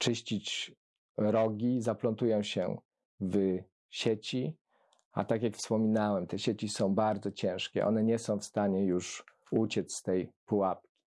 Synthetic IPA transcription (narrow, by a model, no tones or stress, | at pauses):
t͡ʂɘɕt͡ɕit͡ɕ | ɾɔɡʲizaplɔnt̪ujɔ̃w̃ɕɛ̰ | v | ɕet͡ɕi | a̰t̪akʲjakfspɔmʲinawɛmt̪ɛɕet͡ɕisɔ̃w̃baɾd̪zɔt͡ɕɛ̃w̃ʂkʲɛ̰ʔɔ̰nɛɲɛsɔ̃w̃fst̪aɲɛjuʂ | ut͡ɕɛt̪sst̪ɛjpuwapkʲi̥